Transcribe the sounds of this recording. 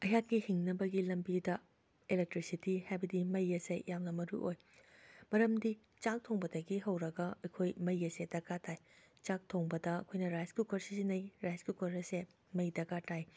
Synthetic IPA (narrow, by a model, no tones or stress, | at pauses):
ɐjakːihiŋnɐbɐɡilɐmbidɐ | elek̚tɾisitihajbɐdimɐjːɐsejjʔamnɐmɐɾṵʔoj | mɐɾɐmdi | t͡ʃak̚tʰoŋbɐdɐɡiɦɐwɾɐɡɐɐjkʰojmɐjːɐsedɐkatʰaj | t͡ʃak̚tʰoŋbɐdɐɐ̰kʰojnɐɾajskukɐɾsisinɐjɾajskukɐɾɐse | mɐjdɐɡatʰaj